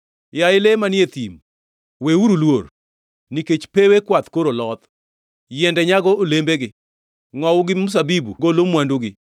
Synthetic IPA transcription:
jaɪlemanɪet̪im | weuɾulwor | niket͡ʃpewekwat̪koɾolɔt̪ | jɛndɛɲaɡɔolembeɡɪ | ŋɔwʊɡɪmʊs̬abibuɡolomwanduɡɪ

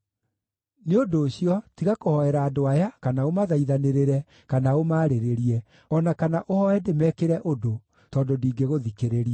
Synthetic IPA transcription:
neodoːɕjɔtiɣakohɔɛɾaːdoajakanaomaðaiðaneɾeɾɛ | kanaomaːɾeɾeɾiɛ | ɔnakanaʔohɔɛdemɛːkeɾɛʔodo | tɔːndondiːɡeɣoðikeɾeɾiɛ

